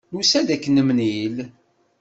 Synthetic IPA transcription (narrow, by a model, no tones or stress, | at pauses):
nusæd̪ækːənəmnil